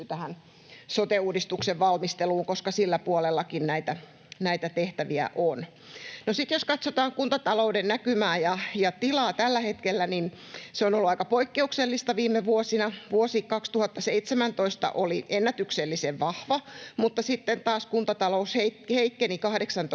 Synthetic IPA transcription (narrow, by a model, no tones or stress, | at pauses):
t̪æhæn | sot̪euːdist̪ukseʋʋɑlmist̪eluːŋkoskɑsilːæpuolelːɑkinnæit̪æ | næit̪æt̪eht̪æʋiæ̰ʔon | nosit̪joskɑt̪sot̪ɑːŋkunt̪ɑt̪ɑloudennækymæːjɑjɑt̪ilɑːt̪ælːæhet̪kelːænin | seonolːuɑikɑpoikːeukselːist̪ɑʋiːmːˑeʋuosinɑʋuosikkɑkst̪uhɑt̪ːɑseit̪semænt̪oist̪ɑ̰ʔoliʔenːæt̪ykselːiseʋʋɑhʋɑmut̪ːɑsit̪ːent̪ɑːskunt̪ɑt̪ɑlousheiheikːenikɑhdeksɑnt̪